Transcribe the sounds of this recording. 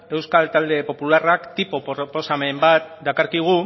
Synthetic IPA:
e̞wskalt̪ald̪e̞po̞pularakt̪ipo̞popo̞same̞mbat̪d̪akaɾkiɣ̞u

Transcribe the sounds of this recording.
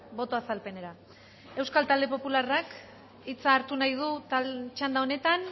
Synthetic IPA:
bo̞t̪o̞asalpe̞ne̞ɾa | e̞wskalt̪ald̪e̞po̞pularak | it͡saːɾt̪unajðut̪at͡ʃand̪ao̞ne̞t̪an

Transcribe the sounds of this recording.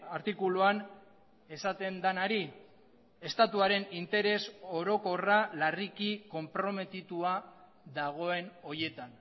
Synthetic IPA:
aɾt̪ikuluan | e̞sat̪e̞nd̪anaɾi | e̞st̪at̪uaɾe̞nint̪e̞ɾe̞so̞ɾo̞ko̞ralarikiko̞mpɾo̞me̞t̪it̪ua | ðaɣ̞o̞e̞no̞je̞t̪an

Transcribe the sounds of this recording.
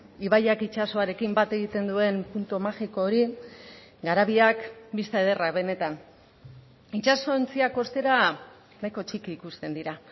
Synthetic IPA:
iβajakit͡ʃaso̞aɾe̞kimbat̪e̞ɣ̞it̪e̞nd̪ue̞npunt̪umaxiko̞ːɾi | ɡaɾaβ̞iakbist̪aeð̞e̞raβe̞ne̞t̪an | it͡ʃaso̞nt͡siako̞st̪e̞ɾa | najko̞t͡ʃikiːkust̪e̞nd̪iɾa

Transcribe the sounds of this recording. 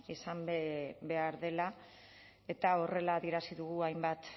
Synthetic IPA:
isambe̞aɾðe̞la | e̞t̪ao̞re̞laːðie̞ɾasiðuɣuajmbat̪

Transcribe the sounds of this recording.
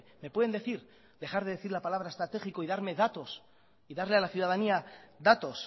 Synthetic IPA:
me̞pweðnd̪e̞θiɾ | ðe̞xaɾðeðe̞θiɾlapalaβ̞ɾaest̪ɾat̪e̞xikoiðaɾme̞ðat̪o̞s | iðaɾle̞alaθjuð̞að̞aniaðat̪o̞s

